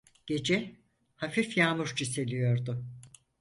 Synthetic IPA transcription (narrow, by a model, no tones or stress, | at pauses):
ɟ̥e̞d͡ʒɛ | hafifjaːmuɾd͡ʒise̞lʲijo̞ɾd̪ʊ